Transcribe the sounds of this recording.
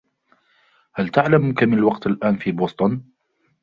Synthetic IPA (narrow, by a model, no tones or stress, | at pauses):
halt̪aʕlamkamɪnalwɑqt̪alʔaːnfiːboːst̪ˤʊn